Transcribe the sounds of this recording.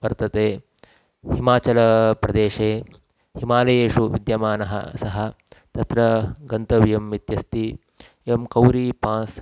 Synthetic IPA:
ʋɐɾt̪ɐt̪eː | himaːt͡ʃɐlɐpɾɐd̪eːʃeː | himaːlɐjeːʃuʋid̪jɐmaːnɐɦɐ̰sɐɦɐ | t̪ɐt̪ɾɐɡɐnt̪ɐʋijɐmːit̪jɐst̪i | emkɐwɾipãːs

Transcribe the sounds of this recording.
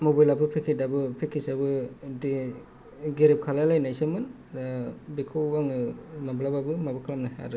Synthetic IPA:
mobajlapɯpʰekʰidabɯpʰekʰisabɯde | ɡeɾep̚kʰalajlajnajsamɯn | abikʰowaŋɯmablababɯmabɯkʰalamnaha̰ɾɯ

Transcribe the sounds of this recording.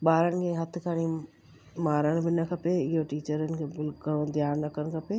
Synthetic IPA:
ɓaːɾənɪ̆kʰeːɦɐt̪ʰɪ̆kʰaːɽ̃i | maːɾəɽ̃̆bɪnɐkʰɐpeɪɦoʈiːt͡ɕəɾənɪ̆kʰeːbɪlkɐõd̪ʱjaːɾnɐkʰəɽ̃ɪ̆kʰɐpeː

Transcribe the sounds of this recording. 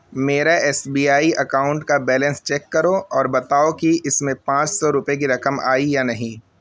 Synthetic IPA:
meːɾaʔɛːsbiːaːiʔɐkaːʊ̃ɳʈkabɛːlɛ̃nst͡ʃɛːkːɐɾoɔːɾbɐt̪aːokiɪsmẽpãːt͡ʃsɔɾʊpjek̬iɾɐkəma̰ːijanɐɦĩː

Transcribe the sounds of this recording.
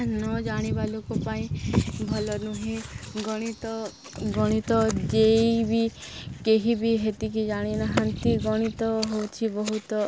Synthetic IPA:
nɔd͡ʒaɽ̃ibalokɔpaĩbʱɔlɔnuɦĩɡɔɽ̃it̪ɔ | ɡɔɽ̃it̪ɔd͡ʒejbikeɦibiɦet̪ikid͡ʒaɽ̃inaɦant̪iɡɔɽ̃it̪ɔɦowt͡ʃʰibɔɦut̪ɔ

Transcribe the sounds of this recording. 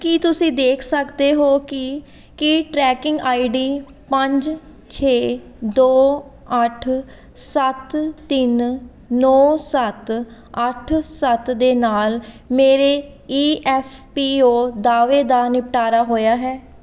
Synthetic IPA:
kiːt̪ʊsĩːd̪eːkʰsəkd̪eːɦoːkɪ | kɪʈɾɛːkɪ̃ŋɡaːiɖiː | pəɲd͡ʒ | t͡ʃʰeː | d̪oː | əʈʰ | sət̪ːɪnː | ɔːsət̪ | əʈʰsət̪d̪eːnaːl | meːɾeː | iːʔɛːpʰpiːoːd̪aːʋeːd̪aːnɪpʈaːɾaːɦoːjaːɦɛː

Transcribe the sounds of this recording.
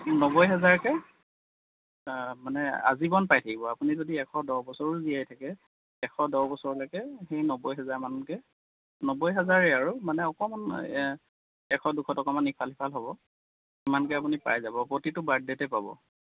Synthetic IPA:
nɔbɔjɦɛzaɹkɛ | manɛa̰zibɔnpajtʰakibɔapunizodiɛkʰɔdɔwbɔsɔɹɔzijajtʰakɛ | ɛkʰɔdɔwbɔsɔɹɔlɔkɛxejnɔbɔjɦɛzaɹmanɔnkɛ | nɔbɔjɦɛzaɹɛaɹumanɛɔkɔman | ɛkʰɔdukʰɔtɔkɔmanːipʰalipʰalɦɔbɔ | imankɛapunipa̰jzabɔpɹotitʊbadɛtɛpabɔ̰

